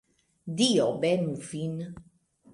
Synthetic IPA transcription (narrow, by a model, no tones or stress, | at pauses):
d̪iɔbɛmufin